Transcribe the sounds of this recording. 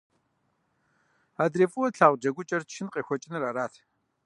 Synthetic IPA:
adreːfʼuwɐɬaːʁʷd͡ʒɐɡʷʊt͡ʃʼɐrt͡ʃʰɪnqʼeːxʷɔt͡ʃʼɪnraɾaːtʰ

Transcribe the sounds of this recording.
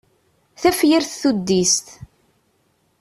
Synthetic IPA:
θæfjiɾθθud̪ːist̪

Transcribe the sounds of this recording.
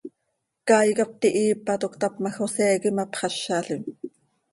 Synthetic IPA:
kɑːjkɑp̚t̪iʔiːpːɑt̪okt̪ɑpmɑxoseːkimɑpχɑʃːɑːɬɪm

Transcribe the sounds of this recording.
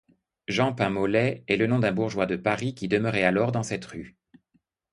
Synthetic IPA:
ʒɑ̃pɛ̃mɔlɛɛlənɔ̃d̪ɛ̃buʁʒwad̪əpaʁikʲid̪əməʁɛalɔʁd̪ɑ̃sɛt̪ʁy

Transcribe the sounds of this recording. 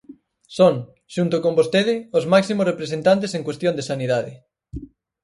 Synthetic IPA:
soŋ | ʃunt̪okombost̪eð̞ɪozmaksimosrepɾesent̪ant̪̬eseŋkwest̪jond̪esaniðaðɪ

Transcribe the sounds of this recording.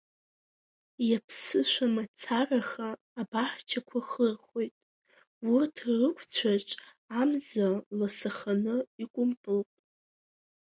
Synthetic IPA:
japʰsɨʃʷamat͡sʰaraχaː | baħt͡ʃʰakʷʰaχərχʷo̞jtʼ | ʊrtʰrɨkʷʰt͡sʷʰaʈ͡ʂʼ | amzalasaχanɨikʷʼʊmpʼɨlpʼ

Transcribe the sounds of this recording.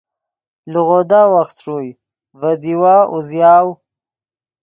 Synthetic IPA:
luɣod̪awaxt̪ʂuj | vad̪iwaːʔuzjɑːw

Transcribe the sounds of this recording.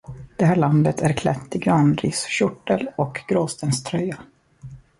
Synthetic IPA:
d̪̥ɛɦæːɭand̪ət̪ʰæɾkʰlɛt̪ːɪɡɾɑːnɾiːsɕʊʈːəlɔkɡ̥ɾoːst̪ənst̪ʰɾœjːa

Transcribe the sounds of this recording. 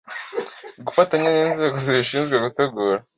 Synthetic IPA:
ɡufataɲaniːnze̞ːɡo̞ziɾiʃiːnzɡweɡute̞ɡuːɾa

